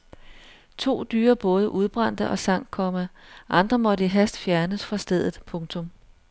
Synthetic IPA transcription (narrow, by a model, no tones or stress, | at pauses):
t͡sʰo̝̰ːd̥yːɐb̥ɔ̽ːð̞ˠəʔuð̞ˠb̥ʁɑ̈n̰d̥əʔɒ̽sɑ̈ŋ̰̥̚kʰɒ̽məʔɑ̈nd̥ʁɐmɒ̽ɾəiɦæsd̥fjæɐnəsfʁɑ̈sd̥eð̞̰ˠð̩ˠpʰɔ̽ŋt͡sʰɔ̽m